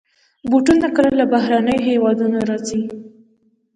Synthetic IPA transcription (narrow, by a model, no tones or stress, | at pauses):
buʈunːakəlalabaɦɾanəjɦewɑd̪unoɾɑzi